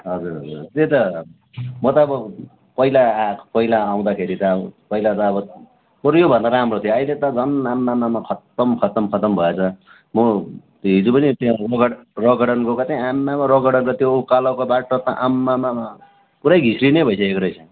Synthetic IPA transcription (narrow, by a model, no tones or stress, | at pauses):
ɦʌd͡zuɾɦʌd͡zuɾt̪et̪ʌ | mʌt̪ʌːbʌ | pʌilapʌilaːw̃d̪akʰeɾit̪ʌpʌilat̪ʌːbʌ | pʌɾjobʱʌnd̪aɾaɦamrot̪ʰijoʌilet̪ʌd͡zʌnamːamːamakʰʌt̪ʌmkʰʌt̪ʌmkʰʌt̪ʌmbʱʌet͡sʰʌ | mʌ | ɦid͡zupʌnit̪ʌɡʌɽrʌɡʌɽʌnkokat̪aĩamːamaɾʌɡʌɽʌnkot̪joukalokobaʈot̪ʌʔamːamama | puɾajɡʱisrinʌjbʱʌjsʰʌekɾʌjt͡sʰʌ